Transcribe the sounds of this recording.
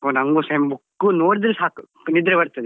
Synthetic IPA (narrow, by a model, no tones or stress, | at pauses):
onɐŋɡusɐmbukːunoːɽid̪ɾesaːku | nid̪ɾɐbɐɾt̪ɐd̪e